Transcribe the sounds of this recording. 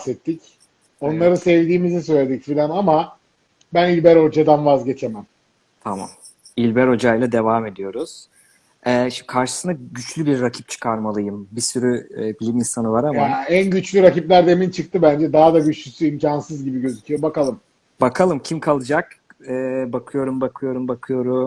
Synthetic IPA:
sɛt̪ːic | o̞nlˠaɾɯsevd̪iːmizis̬ø̞jlʲe̞d̪icfilʲanama | bænilʲbæɾo̞d͡ʒad̪anvazɟe̞t͡ʃʰe̞mæm | t̪ʰama̰m | ilʲbɛɾo̞d͡ʒajlˠad̪e̞vaːme̞d̪ijo̞ɾuz̥ | ɛːʃikʰaɾʃɯ̥sɯnd̪aɟyt͡ʃlʲybiɾːacʰi̥p̚t͡ʃʰɯ̥kʰaɾmalˠɯjɯmbisyɾyːbilʲiminsanɯvaɾamaænɟyt͡ʃlʲyɾaciplʲæɾd̪e̞mint͡ʃʰɯk̚t̪ʰɯbænd͡ʒɛd̪aɦad̪aɟyt͡ʃlʲysyimcʰansɯzɟibiɟø̞zycʰʲyijobakalˠɯm | bakʰalˠɯmcʰimkʰalˠɯd͡ʒak | ɛːbakʰɯjo̞ɾumbakʰɯjo̞ɾumbakʰɯjo̞ɾu

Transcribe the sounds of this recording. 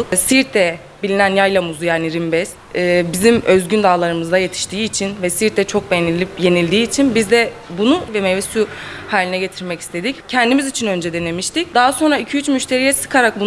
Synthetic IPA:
siɾt̪ʰːɛ | bilʲinænjajlˠamuzujaːniɾimbɛsː | bizimø̞zɟynd̪aːlˠaɾɯmɯzd̪aje̞t̪ʰi̥ʃt̪ʰiːt͡ʃʰinvɛsiɾt̪ʰːɛt͡ʃʰo̞k̚beije̞nilʲd̪iːt͡ʃʰinbizd̪ɛbunuvɛmevɛsyhaːlʲinɛɟe̞t̪ʰiɾmɛci̥st̪ʰe̞d̪iccʰɛnd̪imizit͡ʃʰinø̞nd͡ʒɛd̪enemiʃt̪ic̚d̪aɦaso̞nɾaicʰyyt͡ʃmyʃt̪ʰe̞ɾijɛsɯ̥kʰaɾak̚bun

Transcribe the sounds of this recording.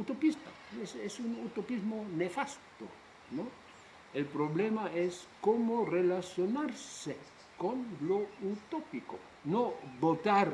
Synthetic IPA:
ut̪opist̪a̰ | esesunut̪opizmonefast̪o̰ | no | elpɾoβlemaeskomorelasjonaɾse | konlout̪opiko̰ | nobot̪aɾ

